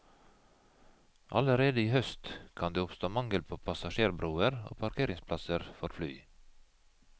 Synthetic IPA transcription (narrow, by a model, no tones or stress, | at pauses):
ʔɑ̰ləɾeːd̪əiːhœst̪kʰɑnd̪eːʊpst̪oːmɑŋɡəlpʰoːpʰɑsɑʃeːɾbɾuːəɾo̰ːpʰɑɾkʰeːɾɪŋspʰlɑsəɾfɔɾfly̰ː